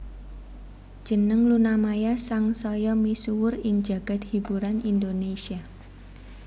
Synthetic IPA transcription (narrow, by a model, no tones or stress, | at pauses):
d͡ʒ̥ənəŋlunamajasaŋsɔjɔmisuwʊrɪŋd͡ʒa̤ɡ̥a̤t̪̚hibuɾanindonesia